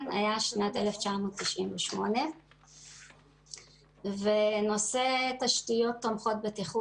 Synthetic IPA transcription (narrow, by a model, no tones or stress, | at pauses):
na̰jaʃnateleft͡ʃamoːtːiʃʔinveʃmo̞ne̞ | veno̞setaʃtijo̞tːomχo̞t̚betiχu